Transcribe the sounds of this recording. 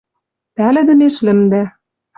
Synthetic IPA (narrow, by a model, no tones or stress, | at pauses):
pælɘ̆d̪ɘ̆neʃlɘ̆md̪æ